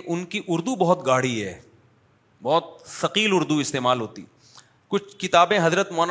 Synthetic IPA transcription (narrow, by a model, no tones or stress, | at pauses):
ʔʊnkiʔʊɾd̪ubɐɦɔt̪ɡaːɽ̤iɦɛː | bɔːt̪̚fɐqiːlʊɾd̪uɪst̪eːmaːlɦoːt̪ḭ | kʊt͡ʃʰkɪt̪aːbẽɦɐzɾət̪mɔn